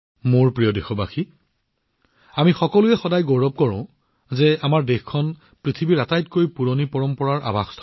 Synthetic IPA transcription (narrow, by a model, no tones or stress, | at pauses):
moɹpɹijɔdexɔbaxi | amixɔkɔlʊɛxɔdajɡoɹɔb̚kɔɹɔ̃ʊ̃ | zɛamaɹdexkʰɔn | pɹitʰibiɹatajtkojpuɹonipɔɹɔmpɔɹaɹʔa̰bʱaxtʰ